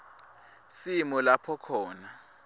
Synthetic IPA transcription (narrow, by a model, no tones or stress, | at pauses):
simɔlapʰɔkʰɔːna